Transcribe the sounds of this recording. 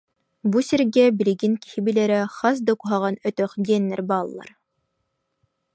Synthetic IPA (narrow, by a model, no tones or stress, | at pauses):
busʲeɾɡʲæbĭlʲiɡinki̥hibilʲæɾɛχɑs̬d̪okuɦɑʁɑnœt̪œχd̪iɛnːæɾbɑːlˠːɑ̰ɾ